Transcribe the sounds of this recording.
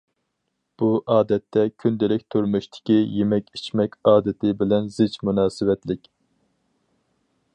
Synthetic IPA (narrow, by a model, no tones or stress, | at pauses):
b̥uʔɑːd̪ɛt̪ʰːɛkʲʰynd̪ɪlɪk̚ʲt̪ʰyɾmuʃt̪ʰɪ̥kʲijemɛkʲit͡ʃmɛkʲɑːd̪ɪt̪ʰɪbɪlɛnzɪt͡ʃmunɑːsɨwɛt̪lɪkʲ